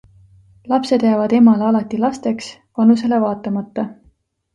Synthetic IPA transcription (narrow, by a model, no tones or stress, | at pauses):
lɑpse̞d̪jæːvɑd̪̥e̞mɑleɑlɑt̪ːˑilɑst̪e̞ksvɑnus̬e̞le̞vɑːt̪ːˑɑmɑt̪ːɑ